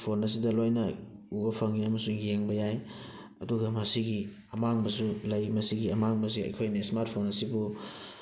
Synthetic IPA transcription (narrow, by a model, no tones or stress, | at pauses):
pʰonɐs̬idɐlojnɐubɐpʰaŋiɐmɐsuŋeŋbɐjaj | ɐ̰duɡɐmɐsiɡi | ɐmaŋbɐsulɐjmɐsiɡiɐmaŋbɐs̬iɐ̰jkʰojnɐsmaɾt̚pʰonɐsibu